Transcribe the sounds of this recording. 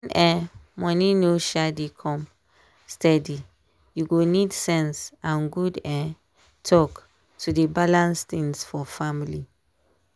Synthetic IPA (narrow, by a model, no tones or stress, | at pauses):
nɛ̃mɔninoʃadikʰɔ̃m | stɛdi | juɡonidsɛ̃nsãnɡudɛ̃ | tʰɔk | tʰudebalãnst̪ĩŋsfɔfamili